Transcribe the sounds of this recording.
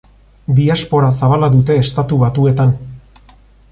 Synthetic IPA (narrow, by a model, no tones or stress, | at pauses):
d̪iaspo̞ɾasaβalaðut̪e̞ːst̪at̪uβat̪ue̞t̪an